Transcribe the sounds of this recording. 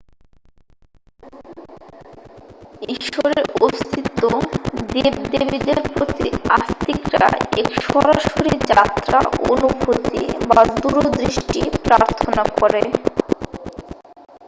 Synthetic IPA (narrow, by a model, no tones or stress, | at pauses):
iʃoɾeɾost̪ʰit̪ːod̪ebd̪ebid̪eɾpɾot̪ḭast̪ikɾa̰ekʃɔɾaʃoɾid͡ʑat̪ːɾaonubʱot̪ḭbad̪uɾod̪ɾiʃʈipɾaɾt̪ʰonakɔɾe